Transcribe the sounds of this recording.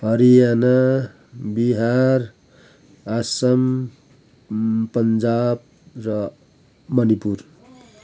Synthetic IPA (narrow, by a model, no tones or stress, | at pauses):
ɦʌɾijana | biɦaɾ | asʌm | pʌnd͡ʒab̚ | rʌ | mʌnipuɾ